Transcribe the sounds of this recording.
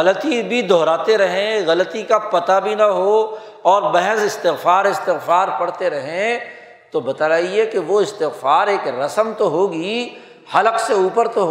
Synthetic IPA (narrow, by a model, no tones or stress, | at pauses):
ɐlət̪ibʱid̪ʱɔːɾaːt̪eɾɐɦẽɣɐlət̪ikapɐt̪abʱinɐɦo | ɔːɾbɛɦɛsɪst̪ɪɣfaːɾɪst̪ɪɣfaːɾpɐɽt̪eɾɐɦẽ | t̪obɐt̪aːlaːiekeʋoɪst̪ɪɣfaːɾeːkɾɐsəmt̪oɦoːɡi | hɐləqseuːpəɾt̪oɦ